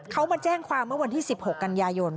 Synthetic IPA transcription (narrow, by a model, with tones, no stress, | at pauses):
kʰa˦˥wmaː˧t͡ɕɛː˥˩ŋkʰwaː˧mːɯ˥˩ɐwa˧nt̪ʰiː˥˩si˨˩p̚ho˨˩kːa˧njaː˧jo˧n